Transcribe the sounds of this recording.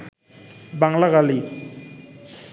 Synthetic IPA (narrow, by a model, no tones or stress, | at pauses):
baŋlaɣali